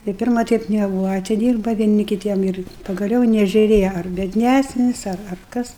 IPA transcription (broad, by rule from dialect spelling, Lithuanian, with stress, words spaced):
tɐɪ ˈpʲɪrmɐ ˈtʲɛɪp nʲɛˈbuːʋɐ ɐtʲɪˈdʲiːrbɐ ʋʲiɛˈnʲɪ kʲɪˈtʲiɛm ɪr pɐɡɐˈlʲɛʊ ɪ nʲɛʒʲʊˈrʲeːjɛ ɐr bʲiɛdʲˈnʲæsʲnʲɪs ɐr ɐr ˈkɐs